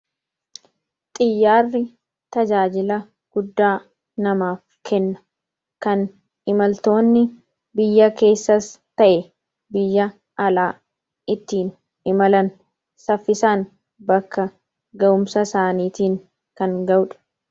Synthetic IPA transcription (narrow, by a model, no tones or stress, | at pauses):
t̪ʼɪjːaːrːɪ | t̪ɐd͡ʒaːd͡ʒɪlɐ | ɡ̥ʊd̪ːaː | nɐmaːf | kʰɛnːɐ̥ | kɐn | ɪmɐlt̪o̞ːnːɪ | bɪjːɐke̞ːsːɐst̪ɐʔɛ | bɪjːɐ | ʔɐlaː | ɪt̪ːiːn | ɪmɐlɐn | sɐfːɪsaːn | bɐkːɐ | ɡɐʔʊmsɐsaːniːt̪iːŋ | kɐŋɡɐwᶑɐ̥